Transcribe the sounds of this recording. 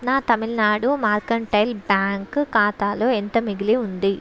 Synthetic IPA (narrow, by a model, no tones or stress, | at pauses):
naːt̪ɐmilnaːɽumaːɾkɐɳʈɐjlbaːŋkkaːt̪aːlo̞ːent̪ɐmiɡileːund̪i